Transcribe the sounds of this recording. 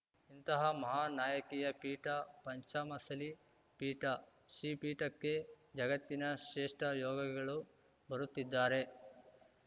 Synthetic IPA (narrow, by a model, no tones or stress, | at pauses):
int̪ɐɦɐmɐɦaːnaːjɐkiːjɐpiːʈɐpɐɲt͡ʃaːmɐsɐli | piːʈɐ | ʃiːpiːʈɐkːe̞ | d͡ʒɐɡɐt̪ːinɐʃeːʂʈɐjɔːɡɐkɡɐɭu | bɐɾut̪ːid̪ːaːɾe̞